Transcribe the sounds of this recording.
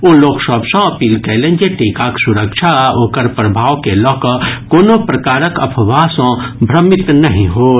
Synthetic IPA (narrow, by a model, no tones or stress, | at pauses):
oːloːksɔːbsõɐpiːlkɛlẽnd͡ʒeʈiːkaksʊɾəkʃʰaɦoːkəɾpɾɐbʱaːʋkelɔːkkoːnopɾɐkaːɾəkɐ̰pʰʋaːsõbʱɾɐmɪt̪nɐɦĩɦoː